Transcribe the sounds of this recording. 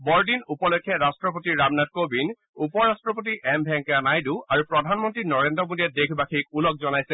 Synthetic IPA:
bɔɹdinupɔlɔkʰːɛɹastɹɔp̬otiɹamnat̚kobin | upɔɹastɹɔp̬ot̬iʔɛmbʱɛŋkanajduaɹupɹɔdʱanmɔntɹinɔɹendɔmodiɛt̚dekʰbakʰik̚ulɔk̚zɔnajsɛ

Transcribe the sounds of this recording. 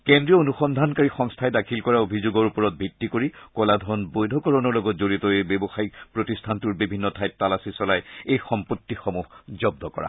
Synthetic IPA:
kendɹiɔonuxɔndʱankaɹixɔŋstʰajdakʰilkɔɹaobʱizoɡɔɹupɔɹɔt̚bʱitːikoɹikɔladʱɔɔnbojdʱɔkɔɹɔnɔɹlɔɡɔtzoɹitɔebebɔxaikpɹotistʰantuɹbibʱinːɔtʰajtːalasisɔlajejxɔmpotːixomuɦzɔb̚dɔkɔ̰ɹa̰

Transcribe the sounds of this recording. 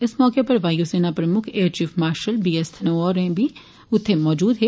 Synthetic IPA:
ɪsmɔːkepɐɾʋaːjuseːnapɾɐmʊkʰeːɾt͡ʃiːfmaːɾʃəlbiːest̪ʰnoɔːɾɛ̃bʱi | ʊt̪ʰːemɔːd͡ʒuːd̪ɦɛ

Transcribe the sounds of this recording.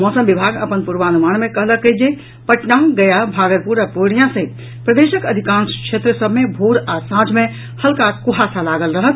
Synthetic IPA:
mɔːsəmbibʱaɡəpənpuɾʋanumaːnmẽkəɦləkːəd͡ʒe | pəʈnãɡəjabʱaːɡəɾpuɾapoɽijãsẽ | pɾəd̪eʃəkəd̪ʱikãnskʃʰet̪ɾəsəbʱmebʱoɽasãd͡ʒmẽ | həlkakuɦasalaɡəlɾəɦət̪

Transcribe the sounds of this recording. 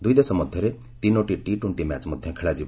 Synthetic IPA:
d̪uid̪esɔmɔd̪ʱjɔɾe | t̪inoʈiʈiʈuɳʈimɛt͡ʃmɔd̪ʱjɔ̃kʰeɭad͡ʒi

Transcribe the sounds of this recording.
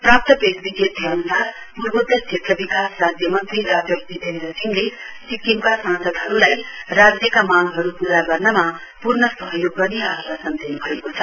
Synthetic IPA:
prap̚t̪ʌpesbiɡjet̪̚jʌnusar | purbʌd̪ʌst͡sʰet̪ʰːʌbikasːad̪ʱjʌmʌnt̪riɾad͡zʌkbit̪end̪ɾrʌsiŋle | sikimkasãnsʌd̪ɦʌɾulajrad͡zjekamaɡɦʌɾupuɾaɡʌrnʌma | purnʌsʌɦʌjoɡːʌrniaɦʌlasʌnt̪enubʱʌekot͡sʰʌ

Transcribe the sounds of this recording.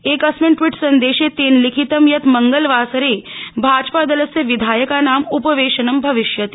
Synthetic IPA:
ekɐsmiɳʈʋiːʈsɐnd̪eːɕet̪eːnlikʰit̪əmjɐt̪məŋɡəlʋaːsɾebʱaːd͡ʒpad̪ɐləsjɐʋid̪ʱaːjəkanaːmupəʋeːʃənɐmbʱɐʋiʃjɐt̪i

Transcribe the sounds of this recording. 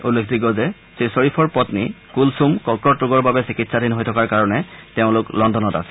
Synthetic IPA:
ulːekʰdiɡɔzɛ | sesɔɹipʰɔɹpɔtnḭ | kulsumkɔkɔtɹʊɡɔɹbabɛsikitsadinɦojtʰɔkaɹkaɹɔnɛteʊ̃lʊklɔndɔnɔta̰sɛ̥

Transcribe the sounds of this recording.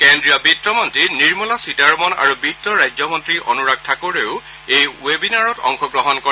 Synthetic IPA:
kendɹijɔbitːɔmɔntiniɹmɔlasidaɹmɔna̰ɹubitːɔɹajd͡ʑɔmɔntɹiʔɔ̰nuɹak̚tʰakoɹeʊ | ejwebinaɹɔtɔ̰ŋxɔɡɹɔɦɔnkɔ

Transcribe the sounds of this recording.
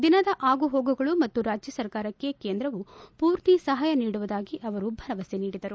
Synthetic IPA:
d̪inɐd̪ɐʔaːɡuɦo̞ːɡuɡɐɭumɐt̪ːuɾaːd͡ʒjɐsɐɾkaːɾɐkːe̞keːnd̪ɾɐʋupuːɾt̪isɐɦaːjɐniːɽuʋud̪aːɡiʔɐʋɐɾubʱɐɾɐʋɐseniːɽid̪ɐɾu

